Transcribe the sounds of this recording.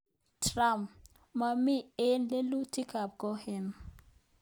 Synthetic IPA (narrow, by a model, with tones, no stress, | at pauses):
tʰra˦˨m | ma˨mi˦˨e˦nle˦lu˦tʰi˦kʰa˨p̚kɔ˦hɪ˦˨n